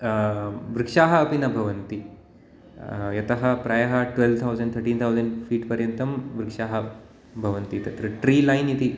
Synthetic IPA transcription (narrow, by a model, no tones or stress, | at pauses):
ʋɾikʂaːɦɐːpinɐbʱɐʋɐnt̪i | jɐt̪ɐɦɐ̆pɾɐjɐɦɐʈʋelʋt̪ʰɐwd͡ʒɐɳɖt̪ʰɐɾʈiːnt̪ʰɐwzɐɳɖfiːʈpɐɾjɐnt̪ɐmʋɾikʂaːɦɐ | bʱɐʋɐnt̪it̪ɐt̪ɾɐʈɾiːlɐjnit̪i